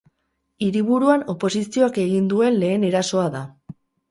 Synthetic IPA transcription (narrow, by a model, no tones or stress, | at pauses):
iɾiβ̞uɾuano̞po̞sisio̞ake̞ɣ̞ind̪ue̞nle̞ːne̞ɾaso̞aða